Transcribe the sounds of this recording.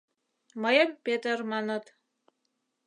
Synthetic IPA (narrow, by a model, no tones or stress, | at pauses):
məjɤmpʲet̪ermɑnɤ̆t̪